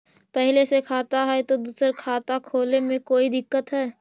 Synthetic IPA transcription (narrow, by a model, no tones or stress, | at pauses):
pɛɦlesekʰaːt̪aɦɛt̪od̪uːsəɾkʰaːt̪akʰoːlemẽkoːid̪ɪkːət̪ɦɛː